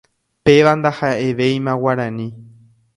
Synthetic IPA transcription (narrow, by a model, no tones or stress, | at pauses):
pe̞ʋand̪ahaʔe̞ʋe̞jmãwaɾãnĩ